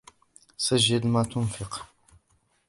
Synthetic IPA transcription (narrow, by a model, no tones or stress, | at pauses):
saʒːad̪mat̪ʊnfɪq